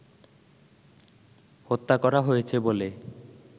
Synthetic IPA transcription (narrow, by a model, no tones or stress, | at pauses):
hot̪ːakɔɾaɦojet͡ɕʰebole